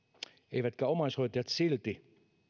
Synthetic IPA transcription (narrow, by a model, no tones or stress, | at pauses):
eijʋæt̪kæomɑishojt̪ɑjɑt̪silt̪i